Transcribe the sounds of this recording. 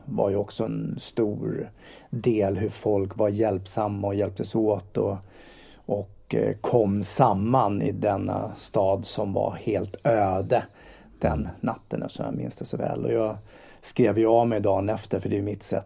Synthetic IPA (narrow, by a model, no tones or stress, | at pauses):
va̰ɾjɵɔksɔɛnst̪uːɾ | d̪eːlɦɵɾfɔlkvaɾjɛlpsamːaɔjɛlp̚t̪ʰəsoːt̪ɔ | ʔɔk | kʰːɔmːsamːanɪ̰d̪ɛnːa̰st̪ɑːd̪sɔmva̰ɾheːlt̪øːd̪ə | d̪̥ɛ̰nːat̪ːənɛ̰fəʂɔmja̰mɪ̰nst̪əsɔvɛ̰ːlɔ̰jɑː | skɾeːvjəavmɛjd̪ɑːnɛft̪əɾfœɖɛjɵmɪt̪sɛ̰t̪ː